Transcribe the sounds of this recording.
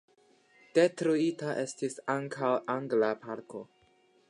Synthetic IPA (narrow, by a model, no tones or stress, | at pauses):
d̥e̞tɾoitaʔe̞stisaŋkʰawʔaŋɡlapʰaɾko̞